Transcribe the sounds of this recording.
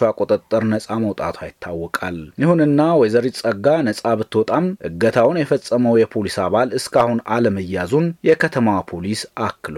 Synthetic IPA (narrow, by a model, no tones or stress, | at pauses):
akʼot̪ʼət̪ʼːəɾnəsʼaməwt̪ʼa̰t̪ʰajɪt̪ʰːawːɔkʼaljɪhunɨnːawɔjzəɾit͡sʼəɡːanəsʼaβɨt̪ːwɔt̪ʼamʔɨ̰ɡət̪ʰawnjɛfəsʼːəməwjɛpʰo̞lisaβalɨskʰahunaləməjːazunjɛkʰət̪ʰəmawpʰolisakːl